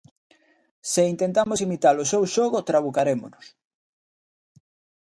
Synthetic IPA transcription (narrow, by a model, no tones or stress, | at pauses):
sɪint̪ent̪amosimit̪alʊsewʃoɣot̪ɾaβukaɾemo̰nʊs